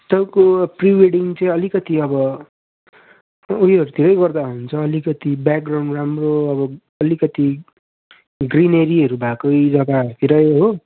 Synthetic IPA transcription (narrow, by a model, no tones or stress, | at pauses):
t̪ʌkopriweɽiŋt͡sʌĩʌlikʌt̪iʌbʌ | ujʌɾut̪ʰiɾʌjɡʌrd̪aɦunt͡sʰʌːlikʌt̪ibak̚ɡrawɳɖramroʌbʌ | ʌlikʌt̪i | ɡrineɾiʌɾubʱakʌjd͡zʌɡaʌɾut̪ʰiɾʌjɦo